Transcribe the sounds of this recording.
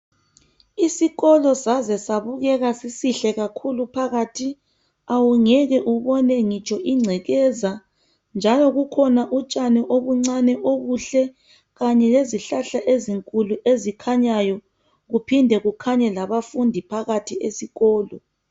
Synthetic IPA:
isiɣɔlɔsazɛsaβuɣɛɣasisiɬɛɣakʰulupʰaɣatʰi | awuŋɛɣɛʔuβɔnɛŋit͡ʃʼɔʔiŋ͡ǀʱɛɣɛza | nd͡ʒʱalɔɣukʰɔnaʔut͡ʃʼanɛʔoβuŋ͡ǀanɛʔoβuɬɛ | ɣaɲɛleziɬaɬaʔeziŋkʼuluʔezikʰaɲajɔ | ɣupʰindʱɛɣukʰaɲɛlaβafundʱipʰaɣatʰiesiɣɔːlɔ

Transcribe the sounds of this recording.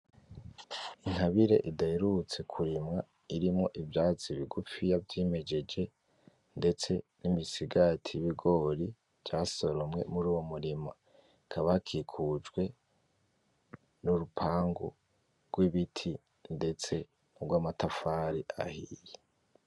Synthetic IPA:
iŋhaβiɾeʔidaeɾut͡se̞kʰuɾimŋa | iɾimŋo̞ʔivjaːt͡siβiɡufijavjime̞d͡ʒe̞d͡ʒe̞ | nde̞t͡se̞nimisiɡatʰiβiɡo̞ɾi | vjaːso̞ɾomŋe̞̰muɾuːwo̞muɾima | kʰaβakʰikʰud͡ʒɡwe̞ | nuɾupʰaːŋɡṵ | ɾɡ̥wiβitʰi | nde̞t͡se̞ | ubɡwaːmatafaːɾiʔa̰hije

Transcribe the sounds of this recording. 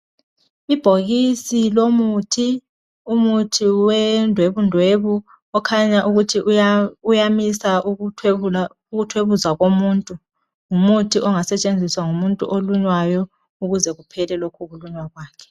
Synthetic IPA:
ib̥ʱoɣisilomutʰi | umutʰiwɛndʱweβundʱweβu | ɔkʰaɲaʔuɣutʰiujamisa | uɣutʰweβuzwaɣomuːntʼu | ŋumutʰiʔɔŋasɛt͡ʃʼend͡zʱiswaŋumuntʼuʔoluɲwajɔ | uɣuzɛɣupʰɛlɛlokʰuɣuluɲwaɣwaːkʰɛ̥

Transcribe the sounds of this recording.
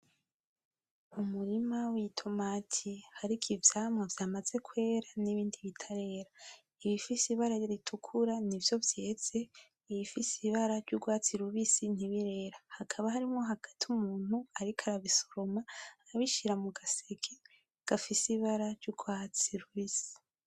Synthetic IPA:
umuɾimawitʰo̞maːtʰihaɾikʰivjaːmŋavjaːmaz̥e̞kwe̞ːɾaniβiːndiβitʰaɾe̞ɾa | iβifisiβaɾajoɾitʰukʰuɾanivjo̞vjez̥e̞ | iβifisiβaɾaɾɟuɡwaːt͡siɾuβisin̥iβiɾe̞ːɾahakʰaβaɦaɾimŋo̞ɦaɡ̥atiumuːn̥huaɾikʰaɾaβiso̥ɾo̞maβiʃiɾamuɡasekʰe | ɡ̥afisiβaɾaɾɟuɡwaːt͡siɾuβisi̥

